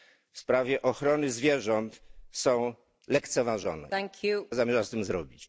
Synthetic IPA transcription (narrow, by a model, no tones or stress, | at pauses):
fspɾavʲjɛʔɔxɾɔnɘzvʲjɛʐɔnt̪sɔ̃w̃ | lɛkt̪sɛvaʐɔ̰nɛ̰ŋkʰjuzamʲjɛʐast̪ɘmzɾɔbʲit͡ɕ